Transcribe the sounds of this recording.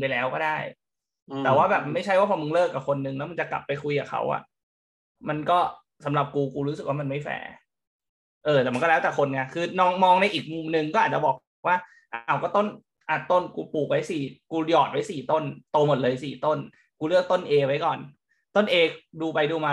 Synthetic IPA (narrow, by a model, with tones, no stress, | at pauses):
pa˧jlɛː˦˥wkɔː˥˩daː˥˩j | t̪ɛː˨˩waː˥˩bɛː˨˩p̚ma˥˩jt͡ɕʰa˥˩jwaː˥˩pʰɔː˧mɯ˧ŋlɤː˥˩kːa˨˩kʰo˧nːɯ˧ŋlɛː˦˥m˧nt͡ɕa˨˩kla̰˨˩pːa˧jkʰu˧jkaː˨˩kʰa̰˦˥wʔa̰˨˩ | ma˧nkɔː˥˩ | sa˩˦mɾa˨˩p̚kuː˧kuː˧ɾu˦˥ɯ˨˩k̚waː˥ma˧nma˥˩jfɛ̰ː˧˦ | ʔɤː˧˩t̪ɛ˨˩ma˧nkɔ˥˩lɛ˦˥t̪ɛː˨˩kʰo˧nŋa˧˩kʰɯː˧nɔː˧ŋmɔː˧ŋna˧jʔiː˨˩k̚mu˨˧˩mnɯ˧ŋkɔː˥˩aː˨˩t̪̚t͡ɕa˨˩bɔː˨˩k̚ | waː˥˩ | ʔaː˨˩wkɔː˥˩t̪o˥˩n | ʔa˨˩t̪o˥˩nkuː˧puː˨˩k̚wa˦˥jsiː˨˩kuː˧jɔː˨˩t̪̚wa˦˥jsiː˨˩t̪o˥˩nt̪oː˧mo˨˩t̪̚lɤː˧jsiː˨˩t̪o˥˩n | kuː˧lɯ˥˩ək̚t̪o˥˩nʔeː˧wa˦˥jkɔː˨˩n | t̪o˥˩nʔeː˧duː˧pa˧jduː˧maː˧